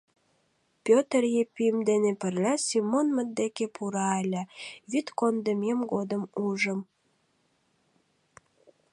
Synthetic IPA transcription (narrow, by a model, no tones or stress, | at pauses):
pʲøt̪ərjepyjəmd̪enepərlʲæsimːonmət̪̚d̪ekepʰuɾɑelʲəβyt̪kond̪əmemɡod̪əmuʒəm